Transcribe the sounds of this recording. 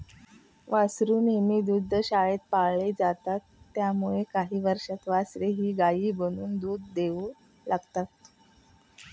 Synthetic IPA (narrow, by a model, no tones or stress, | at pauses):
ʋasɾuːmemiːd̪ud̪ʱːɕaɭet̪̚paɭed͡zat̪at̪ːjamuɭekaɦiːʋəɾʂat̪ʋasɾeɦiːɡaiːbəɽ̃uːnd̪uːd̪ʱːeʋu | laɡt̪at̪